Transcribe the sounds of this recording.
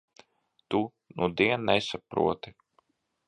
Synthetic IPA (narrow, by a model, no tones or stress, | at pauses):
t̪u | nʔud̪iɛnːɛsapɾṵɔt̪i